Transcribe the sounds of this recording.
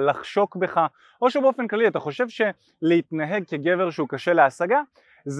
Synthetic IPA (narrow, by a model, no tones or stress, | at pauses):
laχʃo̞kbe̞χa | ʔo̞ʃebeo̞fe̞nklaliat̪aχo̞ʃe̞vʃe̞ | leit̪naɦe̞ɡ̚keɡe̞veʁʃeukaʃe̞leasaɡa | z